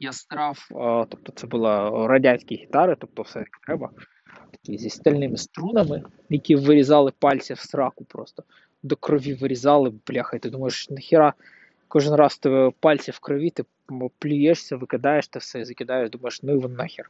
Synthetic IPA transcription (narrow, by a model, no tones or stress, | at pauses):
jast̪ɾɑft̪op̚t̪ɔt̪sɛbɨlˠaɾɐdʲanʲsʲkʲɪjɣʲɪt̪ɑɾɨt̪ɔp̚t̪ɔfsɛt̪ɐkʲt̪ɾɛbɐ | t̪ɐ̥kʲizʲesʲst̪ɐlʲnɪmɪst̪ɾunɐmɪ | jɐkʲiɛʋɪɾʲɪzɑlˠɪpɑlʲsʲɐfsɾɑkʊpɾost̪ɔ̥ | d̪ɔkɾɔʋʲiʋɪɾʲɪzɑlˠɪblʲaxɐjt̪ɪd̪umɐjɪʂnɐxʲɪɾɑ | kɔʐɨnrɑst̪ɪpɑlʲsʲɐfkɾɔʋʲit̪ɪ | plʲʊjɛʂsʲɐʋɨkɪd̪ɑjɛʂt̪ɪfsɛizɐkʲɪd̪ɑjɪʃd̪umɐjɪʂnʊʋɔnːaxʲɪr